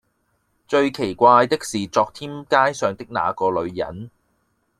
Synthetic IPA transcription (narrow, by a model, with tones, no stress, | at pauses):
t͡ʃɵ˧ɥkʰe˨˩jkʷaː˧jt̪ɪ˥k̚siː˨t͡sɔː˧k̚t̪ʰiː˥mkaː˥jsœː˨˧ŋt̪ɪ˥k̚na̰ː˨˧kɔː˧lɵ˨˧ɥjɐ̰˨˥n